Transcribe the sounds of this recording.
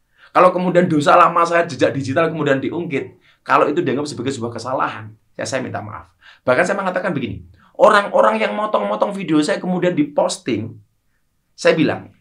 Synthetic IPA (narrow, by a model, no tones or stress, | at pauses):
kalokəmudiandos̬alamasajad͡ʒəd͡ʒaʔdid͡ʒit̪alkəmudiandiʔuŋɡɪt̪̚ | kaloit̪udaŋəp̚səbaɡajsəbuahkəsala̰ɦa̰n | aja̰sajamint̪a̰ma̰ʔa̰f | b̥ahkansajaməŋat̪akanbəɡinḭ | ʔoɾaŋʔoɾaŋjaŋmɔt̪ɔŋmɔt̪ɔŋfideosajakəmudiandipɔst̪ɪŋ | sajabila̰ŋ